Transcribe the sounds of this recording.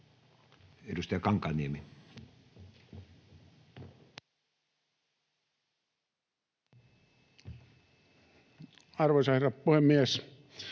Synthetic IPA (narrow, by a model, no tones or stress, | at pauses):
edust̪ɑjɑkɑŋkˑɑniemi | ɑrʋoisɑherɑppuhemːies